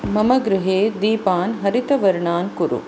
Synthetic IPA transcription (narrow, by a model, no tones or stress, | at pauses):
mɐmɐɡɾɪɦeːd̪iːpaːnɦɐɾit̪ɐʋɐɾɳaːnkuɾṵ